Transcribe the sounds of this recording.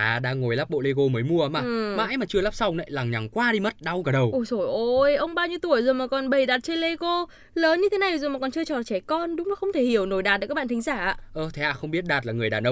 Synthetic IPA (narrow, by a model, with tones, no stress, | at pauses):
ʔaː˨˩ɗaː˧ŋo˨˩jlaː˦˥p̚ɓo̰˧˨le˧ɣo˧məː˨˦jmu˧əʔəː˨˦mʔaː˨˩maː˨˧˥jmaː˨˩t͡ɕɨ˧əlaː˦˥p̚sa˧wŋ͡mnɛ̰˨˧˦jlaː˨˩ŋɲa˨˩ŋkwaː˧ɗi˧mə˦˥t̚ɗa˧wɣaː˨˩ɗə˨˩wʔo˧˩zo˧˩jʔo˧˩jʔə˧wŋ͡mɓaː˧wɲɨ˧ət̪u˧˩əjzəː˨˩maː˨˩kɔ˨˩nɓə˨˩jɗaː˨˩t̚t͡ɕe˧nle˧ɣo˧ | ləː˨˦nɲɨ˧t̪ʰe˨˦na˨˩jzu˨˩maː˨˩kɔ˨˩nt͡ɕɨ˧ət͡ɕɔ˧˨˩t͡ɕɛ˧˩kɔ˧nɗʊ˨˦ŋ͡mna˨˦xə˧wŋ͡mt̪ʰe˧˩hi˧˩əwno˨˧˩jɗaː˨˩t̚ɗkaː˦˥ɓa̰ː˧˨t̪ʰŋzaː˧˩ʔa̰ː˧˨ʔəː˧˩t̪ʰe˨˦ha̰ː˧˨˩xə˧wŋ͡mɓi˦˥ət̚ɗaː˨˩t̚laː˨˩ŋɨ˨˩əjɗaː˨˩nʔə˧wŋ͡m